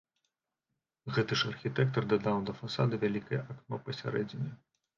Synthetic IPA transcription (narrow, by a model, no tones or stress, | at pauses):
ɣɛt̪ɨʂɐrxʲit̪ɛk̚t̪ɐrd̪ɐd̪awnd̪ɐfasad̪ɨvʲalʲikɐjʔaknɔpɐsʲa̰ɾɛd͡zʲinɐj